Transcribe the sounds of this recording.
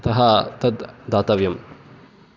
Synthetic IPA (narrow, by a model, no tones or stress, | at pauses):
t̪ɐɦɐt̪ɐd̪d̪aːt̪ɐʋjɐm